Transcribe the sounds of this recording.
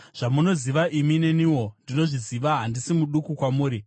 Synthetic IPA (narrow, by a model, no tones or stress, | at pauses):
ʐ̥amuno̞ziʋaʔimine̞niwo̞ndino̞ʐiziʋaɦandisimuɗukukwamuːɾi